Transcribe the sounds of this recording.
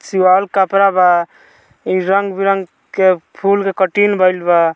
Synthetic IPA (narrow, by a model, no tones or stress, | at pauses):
siwalkapɾaba | iɾəŋɡbiɾəŋɡ | kepʰulkekəʈinbəjlba